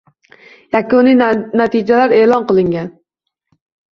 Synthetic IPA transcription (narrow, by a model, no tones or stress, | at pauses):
jakʊninat̪ʰɪd͡ʒalaɾe̞ːlɒnqɨlˠɪŋɡʲan